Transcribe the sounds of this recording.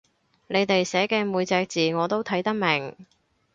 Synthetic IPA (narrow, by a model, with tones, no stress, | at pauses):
ne˨˧jt̪e˨jsɛː˨˥kɛː˧muː˨˧jt͡sɛː˧k̚t͡siː˨ŋɔː˨˧t̪o˥wt̪ʰɐ˨˥jt̪ɐ˥k̚mɪ˨˩ŋ